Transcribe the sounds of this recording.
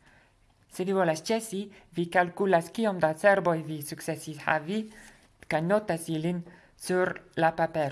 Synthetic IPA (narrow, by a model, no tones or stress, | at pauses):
sevivolast͡ʃesivikalkulaskiomd̪aseɾbojvisuksesisha̰vi | kajnot̪asilin | suɾlapapeɾ